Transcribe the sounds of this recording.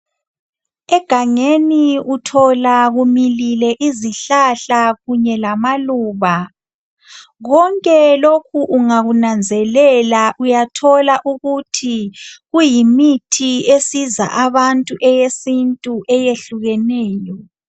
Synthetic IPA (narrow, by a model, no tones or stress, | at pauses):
ɛɡ̥ʱaŋeniutʰɔlaɣumililɛʔiziɬaɬaɣuɲɛlamaluːβa | ɣɔŋkʼɛlokʰuʔuŋaɣunand͡zʱɛlɛlaʔujatʰɔlaʔuɣutʰiɣujimitʰiesiza̰ʔaβantʼuʔɛjesintʼuʔɛjeɬuɣɛnɛːjɔ